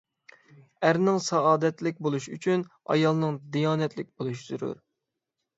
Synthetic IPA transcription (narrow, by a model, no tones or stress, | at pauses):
æɾnɪŋsɑɑːd̪ɛt̪lɪk̚ʲbolˠuʃyt͡ʃʰynɑ̰jɑlˠnɨŋd̪ijɑːnɛt̪lɪk̚ʲbolˠuʃz̥uɾṵɾ